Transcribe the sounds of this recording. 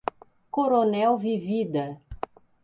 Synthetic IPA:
koɾonɛwvivid̪a

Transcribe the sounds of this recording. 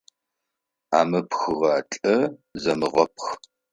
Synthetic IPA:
a̰ːmɨpxɨʁɑːt͡ɬʼɐzɐmɨʁɐpʰx

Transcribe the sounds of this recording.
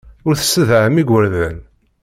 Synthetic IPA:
ʊɾθə̥sːəðʕəmiɡʷəɾðæn

